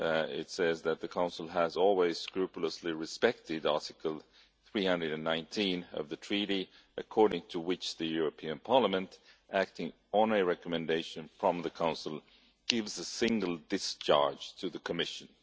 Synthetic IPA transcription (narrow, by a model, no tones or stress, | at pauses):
ɪ̰tsɛzðɨt̪̚ðɨkʰãʊ̃nsl̩ˠəzɔlˠwiz̥skɹʉpjl̩ˠəsliɹɨspɛk̚tɪɾɑɹɾɨkl̩ˠ | θɹihʌ̃ndɹɨɾɨ̃nːãɪ̃ntʰĩnʌ̰vðɨtʰɹ̥iɾi | ʔɨkʰɔɹɾɪ̃ŋtʰəwɪt͡ʃðɨjʊɹɨpʰĩɨ̃npʰɑɹləmɨ̃ntʔæk̚tɪ̃ŋ | ə̃nɨɹɛkəmɨ̃ndeɪʃɨ̃nfɹʌ̃mðɨkʰãʊ̃nsl̩ˠ | ɡ̥ɪvzəsɪ̃ŋɡəl̩ˠdɨst͡ʃʰɑ̰ɹd̥d͡ʒ̥tʰɨðɨkʰəmɪʃɨ̃n